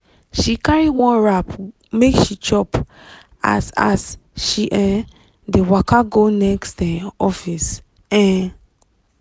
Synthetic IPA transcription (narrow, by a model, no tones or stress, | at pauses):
ʃikaɹiwɔ̃nɹap | mekʃit͡ʃɔp | a̰sa̰sʃiʔɛ̃ | dewakʰaɡonɛkstɛ̃ɔfis | ɛ̃